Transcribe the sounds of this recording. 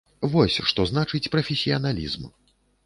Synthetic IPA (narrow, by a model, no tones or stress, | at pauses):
vɔsʲʂt̪ɔznat͡ʂɨt͡sʲpɾɐfʲɛsʲijɐnalʲḭzm